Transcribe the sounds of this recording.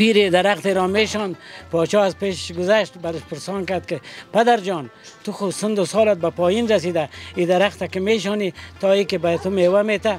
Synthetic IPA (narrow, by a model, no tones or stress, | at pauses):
piɾed̪aɾaqt̪eɾɔːmeːʃɔːnpɔːt͡ʃɔːazpeːʃɡʊzaʃt̪baɾɪʃpɪɾsɑːnkaɾd̪kɪpad̪aɾd͡ʒɔːnt̪uxʊsɪnd̪ʊsɔːlat̪̚bapɔːjinɾas̬id̪aid̪aɾaxt̪akɪmeːʃɔːnit̪ɔːikebat̪umewamet̪a